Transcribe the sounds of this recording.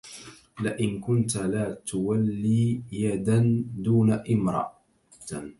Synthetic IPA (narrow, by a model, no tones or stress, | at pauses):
lɪʔɪnkʊnt̪alaːt̪ʊwalːiːjad̪and̪uːnaʔɪmɾˤɑ̰ʔ | t̪